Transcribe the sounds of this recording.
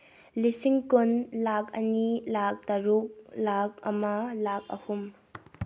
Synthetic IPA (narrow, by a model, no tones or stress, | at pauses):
lisiŋkonlakɐ̰nilak̚dɐɾuk̚lak̚ɐ̰mɐlak̚ɐ̰hum